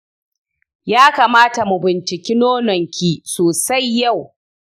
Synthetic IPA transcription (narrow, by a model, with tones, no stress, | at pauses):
jaː˦kaː˨maː˦ta˨mu˨bɪ˨nt͡ʃɪ˨kʲi˦noː˦nɔ˨ŋkʲiː˦soː˨sa˦jːa˦˨w